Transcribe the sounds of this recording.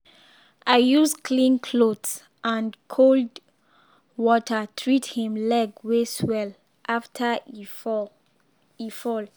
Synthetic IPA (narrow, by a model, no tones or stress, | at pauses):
ʔajuskʰlĩnkʰlods | ʔãnkʰold | wɔtʰətʰɹithĩmlɛɡweswɛl | ʔaftʰə | ifɔl